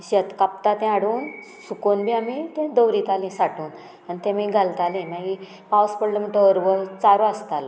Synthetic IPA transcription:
ɕet̪kapt̪at̪ɛ̃aɽuːn | sukonbʱiamit̪ɛ̃d̪əwɾit̪alĩsaʈuːn | anit̪ẽmiɡʱalt̪alẽnaɦi | pawspəɽləm̤əʈəəɾʋət͡saɾoast̪al

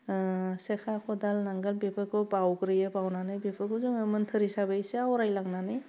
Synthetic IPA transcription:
sekʰakʰɔdalnaŋɡɯlbepʰɯkʰɔbawɡɾɯjebawnanɯjbepʰɯkʰozɯŋɯmɯntʰɯɾisabɯjseawɾajlaŋnanɯj

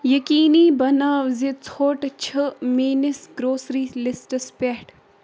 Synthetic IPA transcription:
jɐkiːniːbɐnaːʋzit͡sʰoːʈt͡ʃʰəmiːnɪsɡɾoːsɾiːlɪsʈəspeːʈ

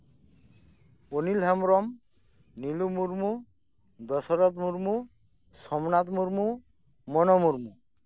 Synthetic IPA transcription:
onilɦɛmɾɔm | nilumuɾmu | d̪ɔsɔɾɔt̪muɾmu | sʃɔmnat̪muɾmu | mɔnɔmuɾmu

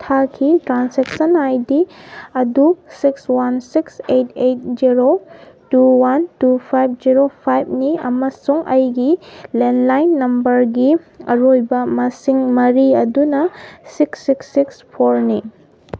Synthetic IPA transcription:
tʰakʰitɾanseksɐnajdiɐdusikswansiksejtejt̚ziɾotuwantupʰajb̚ʰziɾopʰajb̚niɐ̰mɐsuŋʔɐjɡilenlajnːɐmbɐɾɡi | ɐ̰ɾojbɐmɐsiŋmɐɾiɐdunɐsiksːiksːikspʰoɾni

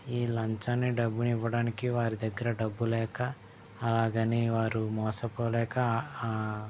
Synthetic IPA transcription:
iːlɐɲt͡ʃɐnːiɖɐbːuniʋːɐɽaːnikiʋaːɾid̪ɐɡːɐɾɐɖɐbːulɛːkɐː | laːɡɐniʋaːɾumɔːsɐpoːlɛːkɐ

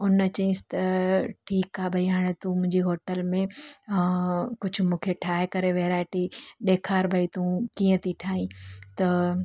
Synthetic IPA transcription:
ʊnt͡ɕɐĩsɪ̥t̪ɐʈʰiːkaːbʱɐiɦaːɽ̃et̪ũmʊ̃ɦɪ̃ɲd͡ʑiɦoːʈəlmẽ | kʊd͡ʑʱʊ̆mũːkʰeʈʰaːɦɪkɐɾeʋeːɾaːɪʈiɗeːkʰaːɾbʱɐit̪ũkiːə̃t̪ʰiʈʰaːɦĩt̪ɐ

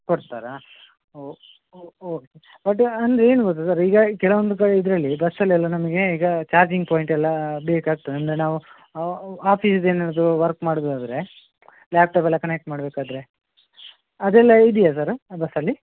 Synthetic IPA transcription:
koɽt̪aːɾɐ | o | oːke | bɐʈːɐnd̪ɾeeːnuɡot̪̬ːusaɾiːɡɐkɛɭɐʋond̪ukɐɽeid̪ɾɐlːibɐsːɐlːɛlːɐnɐmɐɡe̞iːɡɐt͡ʃaːɾd͡ʒiŋɡ̚poːjiɳʈɛlːɐbeːkaːɡ̚t̪ːuɐnd̪ɾenaːʋu | aːpʰisd̪e̞ːnaɾɐd̪uʋɐɾkmaːɽd̪uad̪ɾe̞ | laːp̚ʈaːp̬ɛlːɐkɐnek̚ʈmaːɽbeːkaːd̪ɾe̞ | ɐd̪ɛlːɐid̪ijas̬aɾbɐsɐlːi

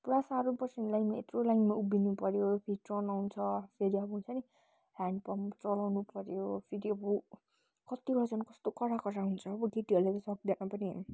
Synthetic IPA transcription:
puɾasaɾopʌrsenlajnmaet̪rolajnmaubinupʌɾjopʰeɾiʈronawnt͡sʰʌpʰeɾiʌbʌɦunt͡sʰʌni | hanɖpʌmt͡sʌlawnupʌɾjopʰeɾiʌbʌ | kʌt̪ibʌɽad͡zʌnkʌst̪okʌɾakʌɾaɦunt͡sʰʌːbʌɡeʈiʌɾlat̪ʌsʌkd̪anapʌni

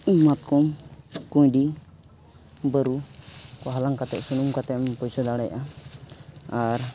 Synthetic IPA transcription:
mat̪kumkujɖi | bəɾukɔɦalaŋkat̪ɛʔsunumkat̪ɛmpɔjsɔd̪aɽɛjaʔa | aɾ

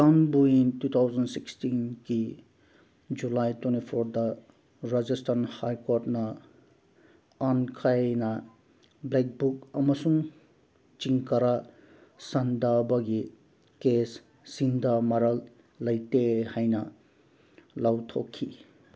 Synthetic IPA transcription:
sanbuintut̪ʰawzɐnsikstinki | d͡ʒulajtwenipʰoɾd̪a | ɾad͡ʒisʈʰanhajkoɾʈna | ankʰajna | blek̚bukɐmʌsuŋ | t͡ʃiŋkɐɾa | sɐnd̪abʌɡi | kes | sind̪ʱamɐɾalː | ɐjt̪ehajna | lawt̪ʰokʰːi

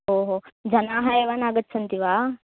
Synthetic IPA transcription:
ɦoːɦoːd͡ʒɐnaːɦaːjɐʋaːnaːɡɐt̪ːsɐnt̪iʋaː

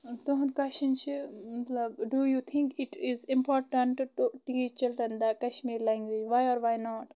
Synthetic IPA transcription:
t̪oɦd̪kɐʃĩnt͡ʃʰimɐt̪lɐbɖujut̪ʰĩŋkɪʈɪzɪ̃mpɔːɾʈɐ̃ɳʈʈuʈit͡ʃt͡ʃɐlɾɐ̃nd̪akɐʃmiːɾlɛ̃ŋɡʋid͡ʒʋajɔːɾʋaːjnɔːʈ

